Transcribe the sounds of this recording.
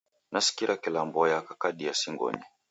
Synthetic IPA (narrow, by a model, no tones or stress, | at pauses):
nasi̥kiɾʔakilambɔjakakaɗiasiŋɡɔ̰ɲɛ